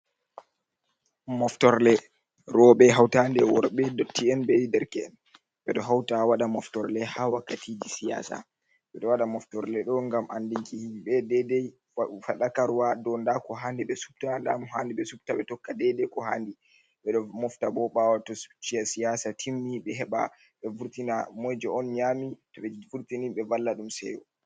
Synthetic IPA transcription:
mɔftɔɾlɛ | ɾɔɓɛɦawtandɛwɔɾɓɛdɔtʰːiɛnɓɛwidɛɾkɛɛn | ɓɛɗɔɦawtawaɗamɔftɔɾlɛhawakːatʰid͡ʒisija̰ːsa̰ | ɓɛɗɔwaɗamɔftɔɾlɛɗɔŋɡamʔandiŋkihiɓɛdɛdɛj | faɗakaɾwadɔndakɔɦandiɓɛsu̥b̚tanda̰mɔɦandiɓɛsub̚taɓɛtɔkːadɛdɛkɔɦa̰ːndi | ɓɛɗɔmɔftabɔɓawatɔsu̥t͡ʃːijasijasatʰimːiɓɛɦɛɓa̰ | ɓɛvuɾtinamɔjd͡ʒɛɔnɲamitɔɓɛvuɾtiniɓɛvalːaɗumsɛ̰wɔ

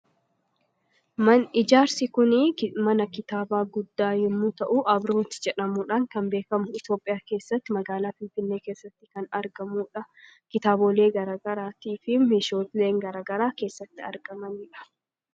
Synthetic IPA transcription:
mɐnɪd͡ʒaːɾsɪkʊnɪmɐnɐkɪt̪aːbaːɡʊd̪ːaːhɪmːut̪ɐʔuʔɐbɾoːt̪ɪ̥d͡ʒɛᶑɐmuːᶑaːŋkɐmbeːkɐmʊɪt̪jo̞ːpʼɪjaːke̞ːsːɐt̪ːɪmɐɡaːlaːfɪnfɪnːeːke̞ːsːɐt̪ːɪ̥kɐnɐɾɡɐmuːᶑɐkɪt̪aːboːleːɡɐɾaːɡɐɾaːt̪iːfɪmeːʃo̞ːt̪le̞ːŋɡɐɾaːɡɐɾaːke̞ːsːɐt̪ːɪɐ̰ɾɡɐmɐniːᶑɐ̥

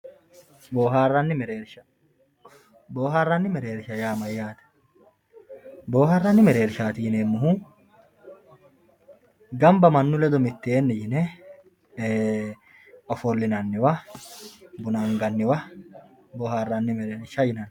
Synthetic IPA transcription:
boːɦaːrːɐnːɪmɛɾeːɾʃɐ | boːɦaːrːɐnːɪmɛɾeːɾɪʃɐjaːmɐjːaːt̪ɐ̥ | boːharːɐnːɪmɛɾe̞ːɾɪʃaːt̪ɪjɪneːmːʊɦu | ɡɐmbɐmɐnːʊlɛd̪ɔmɪt̪ːɪeːnːɛjɪnɛ | ɔfɔlːɪnɐnːɪwɐ | bʊnɐŋɡɐnːɪwɐ | boːhaːrːɐnːɪmɛɾeːɾʃɐjɪnɐn

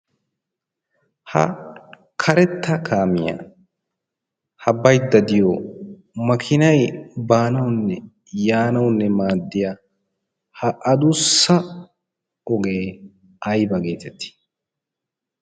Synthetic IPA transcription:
hɐ̰ | kʰɐɾɛt̪ʰːɐkʰaːmɪjɐ̰ | hɐbːɐjd̪ːɐd̪ɪjɔ | mɐkʰɪnɐjbaːnɐwnːɛ | jaːnɐwnːɛmaːd̪ːɪja | hɐʔɐd̪ʊsːɐ | ɔɡe̞ː | ɐjbɐɡe̞ːt̪ɛt̪ːɪ̥

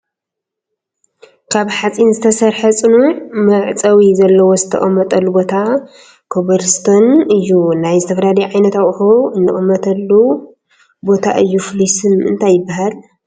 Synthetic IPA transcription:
kʰaβħat͡sʼinzɨt̪ʰɐsɐɾħɐt͡sʼɨnumɐʕt͡sʼɐwizɐlːɐwo̞zɨt̪ʰɐ̰χʼɐmːɐt̪ʼɐlːubo̞t̪ʰa | kʰoβɐɾst̪ʰonɨjːunajzɨt̪ʰɐfɐɾad̪ɐʕajnɐt̪aʔʼhoɨnːɨχʼɨmːɐt̪ʰɐlːu | bo̞t̪ʰa̰ʔɨjːuflisɨnɨ̰nt̪ʰajːɪbːahal

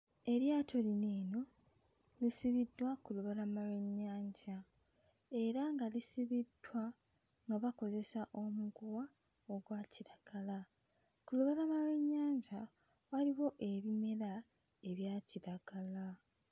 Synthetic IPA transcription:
e̞ɾjaːtʰo̞lineːno̞ | lisiβidːwakuluβalamaweɲːaːɲɟa | e̞ɾaŋɡalisiβid̥wa | ŋɡaβako̞ze̞saʔo̞muɡuwa | oɡwaːciɾaɡ̥ala | kuluβalamaweɲːaːɲɟa | waliwo̞ʔe̞βime̞ɾa | e̞βjaːciɾaɡ̥ala

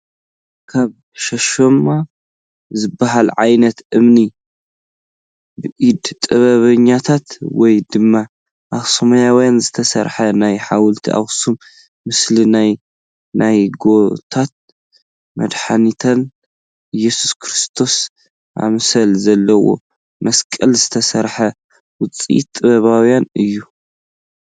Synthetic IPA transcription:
kʰaβ | ʃɐʃoma | zɨbːaɦalʕajnɐt̪ʔɨmni | bɨʔid̪t̪ʼɐβɐβɐɲːat̪ʰat̪wɔjd̪ɨmːa | ʔaxsɐmɐjawɔjanzɨt̪ʰɐsɐɾħɐnajħawʊlt̪ʰiʔa̰wsumː | ɨslinaj | nʔajɡo̞t̪ʰat̪̚ | mɐd̪ħanit̪ʰɐn | jːɛsu̥skʰɾɨst̪ʰo̞s | ʔa̰msɐlzɐlːɐwo̞̰ | mɐskʼɐlzɨt̪ʰɐsɐɾħɐ | wʊt͡sʼḭt̪ʼːɨβɐβawjanɨjːu

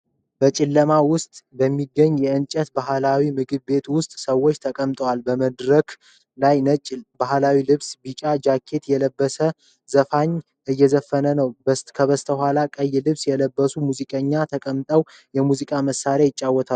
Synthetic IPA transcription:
b̥ət͡ʃʼɪlːəmawʊst̪ʼbəmːiɡːəɲːjɛɨnt͡ʃʼət̪baɦlawimɨɡɨβbe̞t̪wʊst̪ʼsəwːot͡ʃːt̪ʰəkʼəmt̪ʼəwalbəməd̪ɾək | lajnəbaɦlawilɨβsbit͡ʃʼad͡ʒakʰːe̞t̪jɛləbːəsə | zəfaɲ | ʔɨjːɛzəfːənənəwbəkʰəβəst̪ʰəhʷwʷalakʼəjːlɨβsjɛləbːəsumuzikʼəɲːat̪ʰəkʼəmt̪ʼəw | jɛmuzikʼaməsːaɾjajɪt͡ʃʼːawːɔt̪ʰa

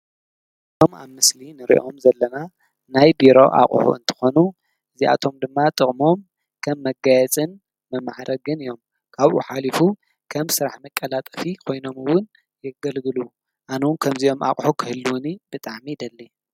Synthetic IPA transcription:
ʔ | ɨɨt̪ʰo̞ma̰βmɨslinɨɾḭʔo̞mzɐlːɐna | najbiɾo̞̰ʔa̰χʼħṵɨnt̪ʰɨ̥xo̞nu | ʔɨzia̰t̪ʰo̞md̪ɨmːat̪ʼɨχʼmo̞m | kʰɐmːɐɡajɛt͡sʼɨn | mɐmːaħɾɐɡɨnɨjo̞m | kʰaβʔuħalifu | kʰɐmsɨɾaħmɐkʼːɐlat̪ʼɐfikʰo̞jno̞mɨwʊn | jɛɡɐlɡɨlu | ʔanownkʰɐmzio̞ma̰χʼħukʰɨhɨlːuwʊnib̥ɨt̪ʼaʕmid̪ɐlːi

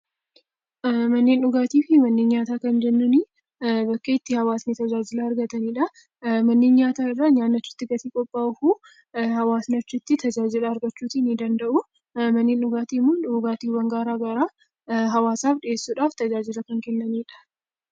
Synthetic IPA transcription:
mɐnːeːnʊɡaːt̪iːfɪmɐnːeːnɲaːt̪aːkɐnd͡ʒɛnːʊnɪ | bɐkːeːɪt̪ːɪhɐwaːsnɪt̪ɐd͡ʒaːd͡ʒɪlaɐɾɡɐt̪ɐniːᶑɐ | mɐnːeːnɲaːt̪aːɪrːaːɲaːnːɐt͡ʃːɪ̥t̪ːɪɡɐt̪iːkʼɔpʼːaːʊfuː | hɐwaːsnɐt͡ʃːʊt̪ːɪt̪ɐd͡ʒaːd͡ʒɪlɐɐɾɡɐt͡ʃːuːt̪inɪd̪ɐnd̪ɐʔʊ | mɐnːeːnʊɡaːt̪iːmːʊʊɡaːt̪iːwɐŋɡaːɾaːɡɐɾaː | ɦɐwaːsaːfᶑɪeːsːuːᶑaːft̪ɐd͡ʒaːd͡ʒɪlɐkɐŋkɛnːɐniːᶑɐ̥

